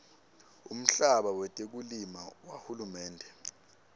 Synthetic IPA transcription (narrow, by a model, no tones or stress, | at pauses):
ṵm̩ɬaɓawɛtʼek̬ulimawahulumɛːndʱɛ